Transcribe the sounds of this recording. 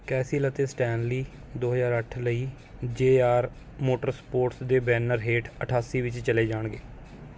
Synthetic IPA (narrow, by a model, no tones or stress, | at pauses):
kɛːsiːlət̪eːsʈɛːnliː | d̪oːɦəzaːɾəʈʰləiː | d͡ʒeːaːɾ | moːʈəɾspoːɾʈsd̪eːbɛːnəɾɦeːʈʰəʈʰaːsiːʋɪt͡ʃt͡ʃəleːd͡ʒaːɳɡeː